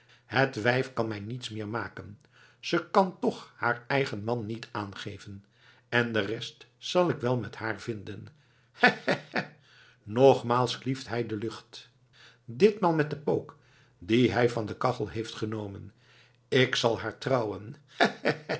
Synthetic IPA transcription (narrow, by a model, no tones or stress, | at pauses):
hətʋɛjfkɑnmɛjnitsmɪːɹmaːkən | z̥əkɑntɔχhaːɹɛjχənmɑnːitaːnχejvən | ɛndərɛstsɑlˠɪkʋɛlˠmɛthaːɹv̥ɪndən | hɛ | nɔχmaːlˠskliftɦɛjdəlɵχt | dɪtmɑnmɛt̚dəpowk | diɦɛjvɑndəkɑχəlˠɦejftχənowmən | ɪksɑlˠaːɹtrɑwən